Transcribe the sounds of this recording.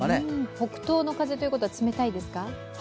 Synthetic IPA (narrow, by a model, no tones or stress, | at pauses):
aɾeho̞kɯ̟̥t̪o̞ːno̞kaze̞t̪o̞jɯ̟kot̪oβat͡sɨme̞t̪aid̪e̞sɨ̥ka